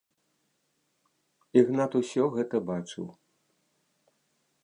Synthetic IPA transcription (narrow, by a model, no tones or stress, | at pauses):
iɣnat̪usʲɔɣɛt̪ɐbat͡ʂɨ̰w